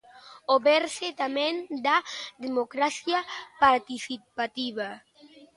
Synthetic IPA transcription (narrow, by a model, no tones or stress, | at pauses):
oβɛɾset̪amɛ̃nd̪aðemokɾaθjapaɾt̪isipat̪iβa